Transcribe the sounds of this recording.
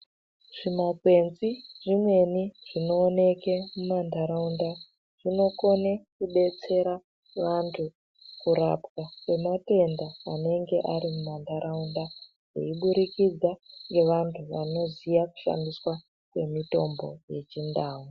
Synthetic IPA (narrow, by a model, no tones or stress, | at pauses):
ʐ̥imaɡwe̞nziʐimwe̞niʐ̥ino̞ːne̞kemumandʱaɾaunda | ʐ̥ino̞ko̞nekuɓe̞t͡se̞ɾa | ʋantʰu | kuɾa̰pkakwe̞mate̞ndaane̞ŋɡe̞ʔaɾimumandʱaɾaunda | jḛiɓuɾikid͡zaŋɡe̞ʋantʰuʋa̰no̞zijaku̥ʃa̰ndiswa | kwe̞mito̞mbo̞̰je̞t͡ʃindaːwu